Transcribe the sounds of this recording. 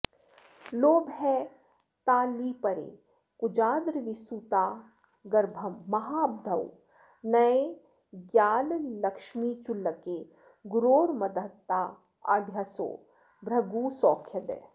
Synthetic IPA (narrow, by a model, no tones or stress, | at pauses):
loːbɦɛ | t̪aːlipɐɾḛː | kud͡ʒaːd̪ɾʋisut̪aː | ɡɐɾbʱɐmːɐɦaːb̚d̪ʱɐw | nɐe | ɡjaːllɐkʃmit͡ʃʊlːəke | ɡʊɾoːɾmɐd̪ət̪ːaː | a̰d̪ʱjaso̰ː | bɾɐɡuːsɔːkʰjɐd̪ḛ